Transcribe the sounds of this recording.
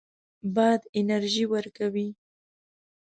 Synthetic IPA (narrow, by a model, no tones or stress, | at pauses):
bɑjd̪ɪnaɾʒiwəɾkawi